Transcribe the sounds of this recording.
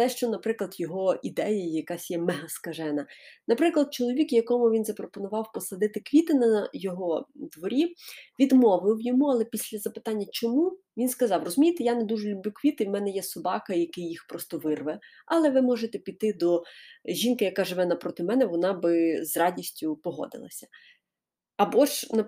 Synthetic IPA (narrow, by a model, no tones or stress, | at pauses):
t̪ɛʃt͡ʃɔnɐpɾɪklˠɐd̪jɔɦɔid̪ɛjɐjjɐkɑsʲjɛmɛɦɐskɐʒɛnɐnɐpɾɪklˠɐd̪̚t͡ʃɔlˠɔʋʲikjɐkɔmʊʋʲinzɐpɾɔpɔnʊʋɑwpɔsɐd̪ɪt̪ɪkʋʲit̪ɪnɐjɔɦɔd̪ʋɔɾʲiʋʲid̪mɔʋɪwjɔmuɐlˠɛpʲisʲlʲɐzɐpɪ̥t̪ɑnʲːɐt͡ʃɔmu | ʋʲinskɐzɑwrɔzʊmʲijt̪ejaned̪uʒelʲʊblʲukʋʲit̪ɪiwmɛnɛjɛsɔbɑkɐjɐkɪjːixpɾɔst̪ɔʋɪrʋɛ | ɐlˠɛʋɪmɔʒet̪ɛpʲit̪ɪd̪ɔʒʲinkɪjɐkɑʒɪʋɛnɐpɾɔt̪ɪmɛnɛʋɔnɑbɪzrɑdʲisʲtʲʊpɔɦɔ̰d̪ɪ̰lˠɐ̰sʲɐ̥ | ɐbɔʒnɐ